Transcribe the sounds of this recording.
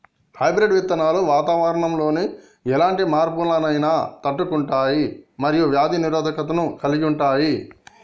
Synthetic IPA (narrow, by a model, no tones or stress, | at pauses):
hɐjbɾeɖʋit̪ːɐnaːluʋaːt̪aːʋɐɾɐɳɐmlo̞ːni | ɛlaːɳʈimaːɾpulɐnɐjnaːt̪ɐʈːukuɳʈaːjimɐɾijuʋjaːd̪ʱiniɾoːd̪ʱɐkɐt̪̬ɐnukɐliɡiuɳʈaːji